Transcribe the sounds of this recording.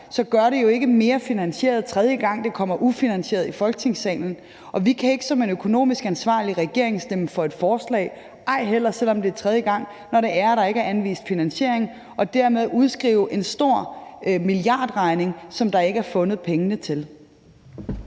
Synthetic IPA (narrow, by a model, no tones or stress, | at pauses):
sɒ̽ɡ̥ɶɐɾe̝jo̝e̝ɡ̥əme̝ːɐfinænɕe̝̰ːɐð̞̩ˠt͡sʰʁɛð̞ˠjəɡ̥ɑ̈ŋ̰d̥e̝kʰɒ̽m̰ɐʔufinænɕe̝ːɐðˠifɒ̽lɡ̥ət͡sʰe̝ŋsɛ̰ːln̩ | ʔɒ̽ʋikʰæe̝ɡ̥əsɒ̽me̝nøkʰo̝no̝̰ːmisɡ̥ænsʋɑ̰̈ːliʁaɡ̥e̝ɐ̰e̝ŋsd̥emfɒ̽e̝d̥fɒːslɛ̰ːɪ | ʔɑ̈ɪ̰ɦel̰ɐsel̰ɒ̽md̥e̝æɐt͡sʰʁɛð̞ˠjəɡ̥ɑ̈ŋ̰ | nɒɾe̝æɐæɾ̥ɑ̈e̝ɡ̥əæɐænʋḭːsd̥finænɕe̝ɐ̰eŋ | ɒ̽d̥æɐmeð̞ˠuð̞ˠsɡ̥ʁḭːʊʔe̝nsd̥o̝ɐ̰miliɑ̈ːd̥ʁɑ̈ɪne̝ŋsɒ̽md̥ɑ̈e̝ɡ̥əæɐfɔ̽nð̩ˠpʰeŋənət͡sʰe̝l